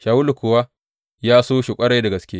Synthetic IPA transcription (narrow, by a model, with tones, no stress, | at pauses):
ʃaː˨wʊ˦lu˨kʷʊ˨wa˦ | jaː˦soː˦ʃɪ˨kʷʼɐ˦ɽa˦dɐ˨ɡɐ˨skʲe˦